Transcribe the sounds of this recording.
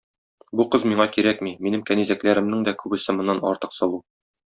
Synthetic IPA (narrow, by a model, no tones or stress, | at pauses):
buqɤzmiɴɑkiɾækmiminɘmkænizæklæɾɘ̆mnɘŋd̪ækʉbɘ̆sɘ̆mɤ̆nːɑnɒ̰ɾt̪ɤ̥qsɒlˠu